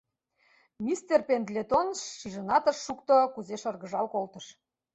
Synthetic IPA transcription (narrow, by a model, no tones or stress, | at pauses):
mʲist̪erpend̪lʲet̪onʃːiʒɤ̆nɑt̪ə̆ʃːukt̪okuzeʃɤ̆rɣə̆ʒɑlkolt̪ə̆ʃ